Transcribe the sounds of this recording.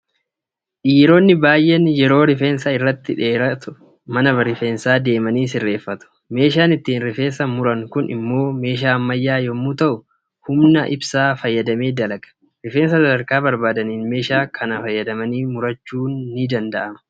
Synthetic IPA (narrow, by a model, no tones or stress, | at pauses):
ʔiːɾo̞ːnːɪbaːjʔɛnjɛɾo̞ːɾɪfeːnsɐɪrːɐt̪ːɪᶑe̞ːɾɐt̪ʊ | mɐnɐbɐɾɪfe̞ːnsaːd̪e̞ːmɐniːs̬ɪrːe̞ːfːɐt̪ʊ̥ | me̞ːʃ̬aːnɪt̪ːiːnɾɪfe̞ːsɐmʊɾɐŋkʊnɪ̰mːo̞ːme̞ːʃ̬aːɐmːɐjːaːjɔmːuːt̪ɐʔʊ | hʊmnɐʔɪ̰bsaːfɐjːɐd̪ɐme̞ːd̪ɐlɐɡɐ̥ | ɾɪfeːnsɐsɐd̪ɐɾkaːbɐɾbaːd̪ɐniːnme̞ːʃaːkʰɐnɐfɐjːɐd̪ɐmɐniːmʊɾɐt͡ʃːuːnːɪd̪ɐnd̪ɐʔɐmɐ̥